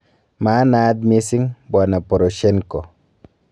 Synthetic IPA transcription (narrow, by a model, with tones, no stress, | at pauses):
ma˨˦na˦t̪̚me˦si˦ŋbwa˨na˨po˨ɾo˨ʃɛ˦nko˨